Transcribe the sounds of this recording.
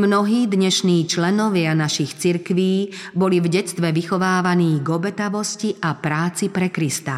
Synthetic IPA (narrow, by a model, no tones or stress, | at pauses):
mnɔɦiːd̪ɲɛʃniːt͡ʃlɛnɔʋɪanaʃixt͡siɾkʋiːbɔlivɟɛt͡st̪ʋɛʋixɔʋaːʋaniːɡɔbɛt̪aʋɔsciʔapɾaːt͡sipɾɛkɾist̪a